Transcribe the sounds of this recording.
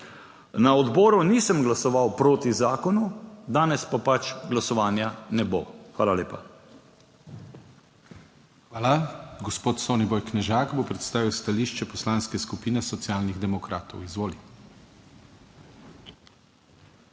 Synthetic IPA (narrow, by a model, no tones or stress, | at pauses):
naɔd̪bɔːɾunisəmɡlasɔʋawpɾoːt̪izaːkɔnud̪aːnɛspapat͡ʃɡlasɔʋaːnjanɛbo̰xʋa̰ːlaleːpa | xʋaːlaɡɔspoːt̪soːnibɔjknɛʒaːkboːpɾɛt̪st̪aːʋiwst̪aliːʃt͡ʃɛpɔslaːnskɛskupiːnɛsɔt̪siaːlniɣd̪ɛmɔkɾʔaːt̪ɔwizʋoːli